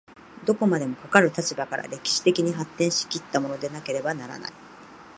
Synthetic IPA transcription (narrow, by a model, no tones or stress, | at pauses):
d̪o̞ko̞mad̪e̞mo̞kokaɾɯ̟t̪at͡ɕibakaɾa̰ɾe̞kʲi̥ɕi̥t̪e̞kʲiɲ̟iɦat̪ːẽɰ̃ɕi̥kʲit̪ːamo̞no̞d̪e̞nake̞ɾe̞banaɾa̰na̰i